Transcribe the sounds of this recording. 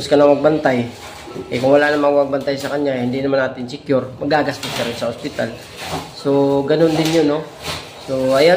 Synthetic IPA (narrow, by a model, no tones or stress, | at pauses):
ʊskɐnɐŋmɐɡ̚bɐnt̪aj | ʔɛkʊŋwɐlaʔnɐmɐŋmɐɡ̚bɐnt̪ajsɐkɐɲahɪnd̪inɐmanaːt̪ɪnsɪkjʊɾmɐɡaɡast̪ʊskɐɾɪnsɐhospɪt̪al | so̞ɡɐnond̪ɪnjono̞ | so̞ʔɐja